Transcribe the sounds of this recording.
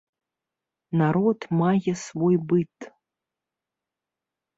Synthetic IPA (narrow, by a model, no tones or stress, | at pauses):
naɾotmajʲasvojbɨtʼ